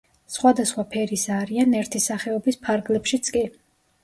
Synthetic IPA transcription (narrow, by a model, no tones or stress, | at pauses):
sχwad̪asχwapʰɛɾisaɾianɛɾt̪ʰisaχɛɔbispʰaɾɡlɛpʃit̪sʰʼkʼi